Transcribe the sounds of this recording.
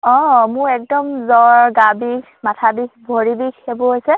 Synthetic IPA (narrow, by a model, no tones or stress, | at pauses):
ɔ̃mʊɹɛk̚dɔmzɔɹɡabik | matʰabikbʱoɹibikʰebʊɦojsɛ